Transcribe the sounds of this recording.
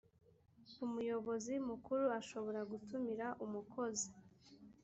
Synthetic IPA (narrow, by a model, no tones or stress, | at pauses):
umujo̞βo̞zimukuɾuaʃo̞βo̞ɾaɡutumiɾaʔumukʰo̞zi